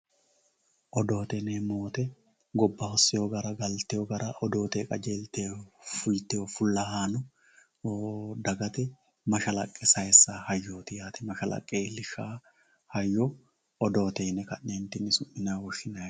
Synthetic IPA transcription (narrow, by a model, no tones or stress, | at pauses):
ʔɔd̪o̞ːt̪ɛneːmoːt̪ɛ | ɡɔbːɐhɔsːɪjoɡɐɾɐɡɐlt̪ɛjɔɡɐɾɐʔɔd̪o̞ːt̪ɛkʼɐd͡ʒeːlt̪eːfʊjt̪ːɛɔfʊlːɐɦaːnɔ | d̪ɐɡɐt̪ɛ | mɐʃɐlɐkʼːɛsɐjɛsːahɐjːoːt̪ɪjaːt̪ɛmɐʃɐlɐ̰kʼːeːlɪʃaː | hɐjːo | ʔɔd̪o̞ːt̪ɛɪnɛkɐnːeːnt̪ɪnːɪsʊʔɪnaːwɔʃɪnɐ